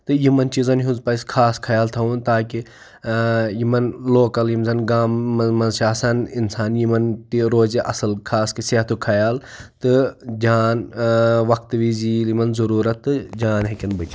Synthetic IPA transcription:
t̪ɨjimɐnt͡ʃizɐnɦunzpɐskʰaːskʰɐjaːlt̪ʰɐunt̪aːki | jimɐnloːkɐljimzɐnɡaːmːɐmɐnsaːsɐninsaːnjimɐnt̪iɾoːziʔɐsɐlkʰaːskɐseɦt̪ʰukʰɐjaːlt̪ɨd͡ʒaːnʋɐk̚t̪ʋizilimɐnzɐɾuːɾɐt̪ːɨd͡ʒaːnɦekʲɐnbɨt͡ʃi

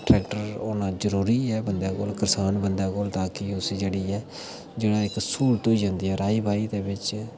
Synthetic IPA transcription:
ʈɾɛːkʈəɾoːnãːd͡ʒəɾuːɾiːɛːbənd̪aːko̰ːlkɪɾsaːnbənd̪aːkoːlt̪aːkɪʊsd͡ʒeːɽiːɛː | d͡ʒɪɽ̃ãːɪksuːlʈ̪ʊiːd͡ʒãːnd̪iːɛːɾaːiːbʱaːiːd̪eːbɪt͡ʃ

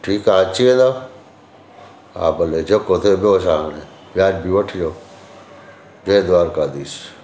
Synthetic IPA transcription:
ʈʰiːkaːt͡ʃiẽːd̪a | a̰ːbəleːd͡ʒɐkot̪ʰeːbjoːsaːɽeː | bɪjaːd͡ʒbiʋəʈʰd͡ʒoː | d͡ʒẽd̪aːɾkaːd̪iːs

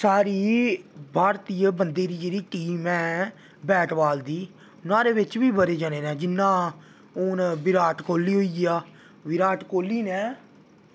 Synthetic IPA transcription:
saːɾiːbʱaːɾt̪iːəbənd̪eːɾiːd͡ʒeːɽiːʈiːmɛ̃ː | bɛːʈʋaːld̪iː | ʊnãːɾeːʋɪt͡ʃʋiːbəɾeːd͡ʒaːneːnɛ̃ːd͡ʒɪnːãː | ʊːnbɪɾaːʈkoːlːiːɦoiːaː | ʋɪɾaːʈkoːlːiːnɛ̃ː

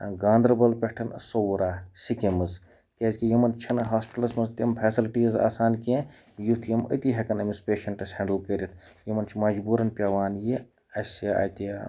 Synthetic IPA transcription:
ɡaːnd̪ɾbɐlpʲeʈʰɐnsowɾaːsikemɨz | keːzkijimɐnt͡ʃʰɐnɦaːspi̥ʈɐlɐsmɐzt̪impʰeːsilʈiːza̰ːsaːnkẽ | jut̪ʰjɐmə̰t̪iɦɐkɐnɐmispʲeːʃɐnʈɐshɐ̃ɳɖulːkeɾʲit̪ʰjimɐnt͡ʃʰimɐd͡ʒbuːɾɐnpʲaːʋaːnji | ɐsaɐ̰t̪i

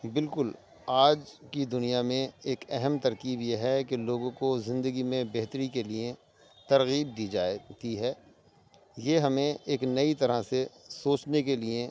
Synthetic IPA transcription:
bɪlkʊl | aːd͡ʒkid̪ʊnijamẽeːkɛɦɛmt̪ɐɾkiːbjeɦɛkeloːɡõkozɪ̃nd̪əɡimẽbɛɦt̪əɾikelie | t̪ɐɾɣiːb̚d̪iːd͡ʒaːt̪iɦɛː | jeɦɐmẽeːknɐit̪ɐɾasesoːt͡ʃnekelie

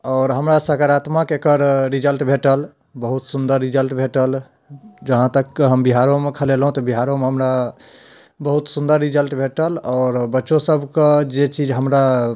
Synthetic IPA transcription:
ɔːɾɦəmɾasəkaɾat̪makekəɾɾid͡ʒəlʈbʱeʈəl | bəɦut̪sund̪əɾːid͡ʒəlʈbʱeʈəl | d͡ʒəɦãt̪əkːeɦəmbiɦaɾomekʰəlelɦũt̪ɔbiɦaɾomeɦəmɾa | bəɦut̪sund̪əɾːid͡ʒəlʈbʱeʈəlɔːɾbətːʃõsəbʱked͡ʒet͡ʃid͡ʒɦəmɾa

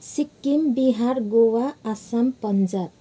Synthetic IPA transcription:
sikːimbiɦaɾɡowaːsampʌnd͡ʒab

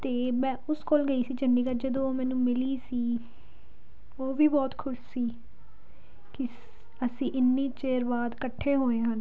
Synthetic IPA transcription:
t̪eːmɛ̃ːʊskoːlɡəiːsiːt͡ʃəɳɖiːkəɾd͡ʒəd̪õːoːmɛ̃ːnũːmɪliːsiː | oːʋiːbɔːt̪kʰʊʃsiː | kɪ | əsĩːʔɪnːiːt͡ʃeːɾʋaːd̪kəʈʰːeːɦoːẽːɦən

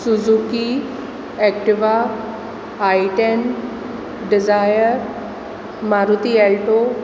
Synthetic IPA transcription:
suzuki | ɛkʈiʋa | ajʈen | ɖizajəɾ | maɾut̪iɛlʈo

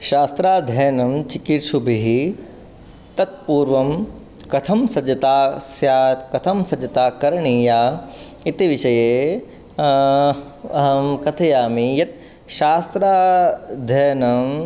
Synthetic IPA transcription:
ʃaːst̪ɾaːd̪ʱɐːnɐmt͡ʃikiɾʃʰubʱiɦi | t̪ɐt̪̚puːɾʋɐm | kɐt̪ʰɐmsɐd͡ʒɐt̪aːsjaːt̪kɐt̪ʰɐmsɐd͡ʒɐt̪aːkɐɾɳiːjaː | it̪iʋiʃɐjeː | ɐɦɐmkɐt̪ʰɐjaːmijɐt̪̚ | ʃaːst̪ɾaːd̪ʱɐːnɐm

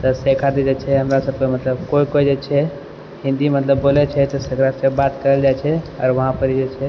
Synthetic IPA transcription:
t̪ɔsekʰad̪id͡ʒet͡ʃʰɛɦəmɾasəb̚kemət̪ləbkoikod͡ʒet͡ʃʰɛ | hĩnd̪imət̪ləbːolɛt͡ʃʰɛt̪ɔsəɡɾasebat̪kəɾəld͡ʒajt͡ʃʰɛɔ̰ːɾʋəɦãpəɾid͡ʒet͡ʃʰɛ

